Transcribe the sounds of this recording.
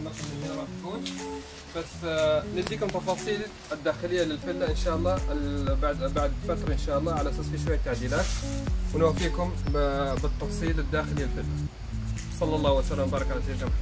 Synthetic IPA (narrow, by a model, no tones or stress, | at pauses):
nɑsalɪiɑɾˤɑːt̪kuːn | b̥asnɪd̪iːkʊmt̪ɑfɑːsˤiːl | ɪd̪ːaːxɪlɪjːalɪlfɪlːaʔɪnʃaːʔɑlˤːɑːbaʕd̪baʕd̪fat̪ɾɑʔɪnʃaːʔɑlˤːɑːʕalaʔasaːsfiʃwajːat̪ːaʕd̪iːlaːt̪wɪnwaːfiːkʊmbɪt̪ːɑfsˤiːlɪd̪ːaːxɪlɪjːalfɪlːa | sˤɑlːɑlˤːɑːhwasalaːmbɑːɾˤɑkʕalasajːk̪amħ